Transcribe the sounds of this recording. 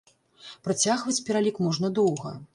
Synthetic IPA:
pɾat͡sʲaɣvɐt͡sʲpʲɛɾalʲikmɔʐnɐd̪ɔwɣɐ̰

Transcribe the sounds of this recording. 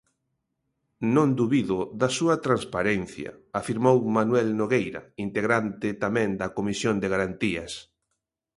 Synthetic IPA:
nõnd̪uβiðʊðasuɐt̪ɾanspaɾɛn̟θjɐ̰afiɾmowmanwɛlnoɣejɾɐ̰int̪eɣɾant̪ɪt̪amɛ̃nd̪ɐkomisjond̪eɣaɾant̪iɐs

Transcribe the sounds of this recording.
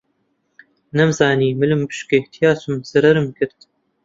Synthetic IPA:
nɛmzɑːniːmɨlɨmbɨ̥ʃket̪ʰijɑːsɨmz̥ɐɾɐɾɨmkɨɾt̪

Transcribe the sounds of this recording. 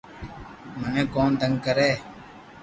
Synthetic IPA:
mənẽːkoːnd̪ə̃ŋɡkəɾeː

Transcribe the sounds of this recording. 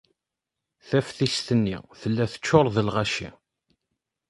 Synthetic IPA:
θæfθist̪ənːḭθəlːæθə̥t͡ʃːoɾˤðəlʁæʃḭ

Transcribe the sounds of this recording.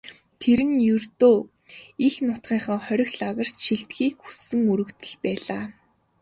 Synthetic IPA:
t̪ʰeɾɘ̆njɵrt̪oː | ixnʊt̪ɢiːχə̆ːχœɾʲɪ̆xɮaʁə̆r̥t͡ɕʃiɬt̪ɡiːkxu̥sɘ̆ŋɵɾɵ̆kt̪ɘ̆ɮpæːɮaː

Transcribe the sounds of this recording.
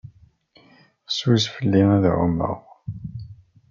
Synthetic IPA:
swizfəlːiæðʕṵmə̰ʁ

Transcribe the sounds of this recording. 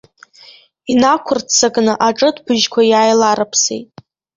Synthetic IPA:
inakʷʰʊrt͡sʰaɡnɨʔaʈ͡ʂʼɨdbɨʒkʷʰajaːjlaɾɨpʰsḛjtʼ

